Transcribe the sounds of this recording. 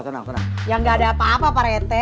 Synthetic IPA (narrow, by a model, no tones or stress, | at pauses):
jaŋɡaːdaːpaːpapaɾet̪ɛ